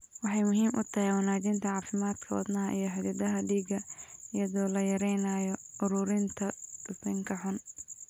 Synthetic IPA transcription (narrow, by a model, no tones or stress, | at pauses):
wɑħɑjmʊɦiːmʔʊ̰t̪ʰɐɦɛjwɑnaːt͡ʃɪnt̪ʰɐʕɑːfɪmaːd̪kʰɐwɑ̰d̪nɐɦɐʔijɞħɪd̪ɐðɐɦɐɖiːɡɐɪjɐðɔːlɐjɐɾɛjnaːjɔʊɾʊːɾɪnt̪ʰɐt̪ʊsɪŋkʰɐħʊn